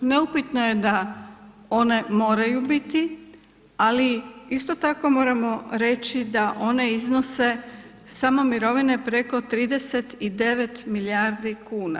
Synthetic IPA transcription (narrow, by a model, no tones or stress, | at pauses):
neupit̪noje̞d̪a | o̞ne̞mo̞ːɾajubit̪i | aliist̪o̞t̪ako̞mo̞ːɾamo̞ɾe̞t͡ɕid̪aʔo̞ne̞izno̞se̞ | samo̞miɾo̞ʋine̞pɾe̞ko̞t̪ɾiːd̪e̞se̞t̪id̪e̞ʋe̞t̪miljaɾd̪ikuːna̰